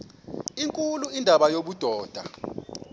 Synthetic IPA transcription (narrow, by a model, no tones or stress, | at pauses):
iŋkʼuluindʱaɓajoɓud̥ʱɔːd̥ʱa̰